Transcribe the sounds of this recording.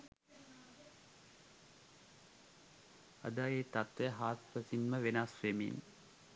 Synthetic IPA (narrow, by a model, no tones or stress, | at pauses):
a̰d̪aeːt̪at̪ːəɦaːt̪pəsinməʋenasʋemḭn